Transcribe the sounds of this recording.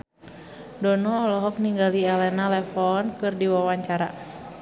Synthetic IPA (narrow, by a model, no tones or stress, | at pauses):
dɔnɔːlɔɦɔk̚niŋɡaliɛlɛnalɛfɔnkɨrdiwawaɲt͡ʃaɾa